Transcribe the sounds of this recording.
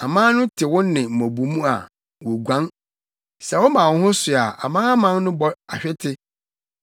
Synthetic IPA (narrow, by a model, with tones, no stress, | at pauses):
a˨mãː˦nʊ̃˦tʰɪ˨wʊ̃˦nnɪ̃˨m̩˨mæ̃˨bu˨mũ˦a̰˨ | wo˨ɡʷã˦ŋ | sɛ˨wɔ˦mã˨wʊ̃˨˦hʊ̃˦sʊ˨a˨ʔa̰˨mã˦a˦mã˦nnʊ̃˦bɔ˨ɾa˨ɕᶣɪ˦tʰɪ˦